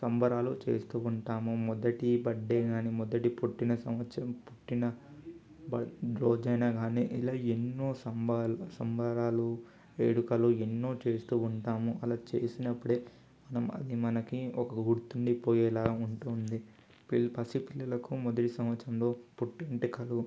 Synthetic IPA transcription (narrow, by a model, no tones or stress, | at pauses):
sɐmbʱɐɾaːlut͡ʃe̞̰ːst̪uːuɳʈaːmumɔd̪ɐʈibɐɖːeːɡaːniːmɔd̪ɐʈipuʈːinɐsɐmʋɐt̪ʃɾɐmpuʈːinɐ | bɐɾoːd͡ʒɐjnaːɡaːniʔilaːenːoːsɐmbaːlsɐmbʱɐɾaːlu | eːɽukɐluenːo̞ːt͡ʃe̞ːst̪uːuɳʈaːmuʔɐlaːt͡ʃe̞ːsinɐpːuɽeː | mɐnɐmɐ̰d̪imɐnɐkiɔkɐɡuɽt̪uɳɖipoːjɛːlaːuɳʈuːnd̪i | pilpɐsipilːɐlɐkumɔd̪ɐʈisɐmʋɐt̪ːɾɐmlo̞ːpuʈːeɳʈikɐlu